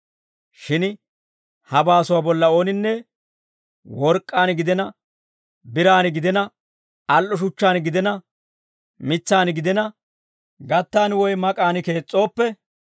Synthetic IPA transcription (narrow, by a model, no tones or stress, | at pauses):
ʃɪn | hɐbaːsʊwaːbɔlːɐo̞ːnɪnːɛ | wɔɾkʼːaːnɡɪd̪ɛnɐ | bɪɾaːnɪɡɪd̪ɛnɐ | ɐlʔɔʃ̬ʊt͡ʃːaːnɡɪd̪ɛnɐ | mɪt͡sːaːnɡɪd̪ɛnɐ | ɡɐt̪ːaːnwɔjmɐkʼaːnɪke̞ːt͡sʼːo̞ːpːɛ